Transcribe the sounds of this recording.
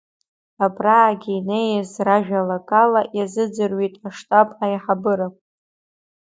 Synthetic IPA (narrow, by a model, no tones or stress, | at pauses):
abraːɡʲiːnejazraʒᶣalokʼalaʔjazɨd͡zɨrɥitʼaʂtʼapʼajħabɨɾapʼ